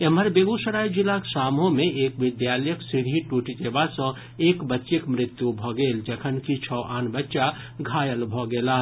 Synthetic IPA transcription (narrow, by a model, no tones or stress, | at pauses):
eməɾbeːɡusəɾaːid͡ʒɪlaksaːmõmẽeːkʋɪd̪jaːləjəksɪɾɦiʈuːʈit̪eːbasə̃ | eːkbətːʃɪkmɾɪt̪jubʱɔɡeːld͡ʒəkʰənkit͡ʃʰɔːʔaːnbətːʃa | ɡʱaːjəlbʱɔɡeːlaː